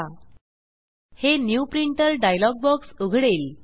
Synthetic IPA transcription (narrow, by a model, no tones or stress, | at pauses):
henjupɾiɳʈəɾɖajlɔɡ̚bɔksuɡʱɽel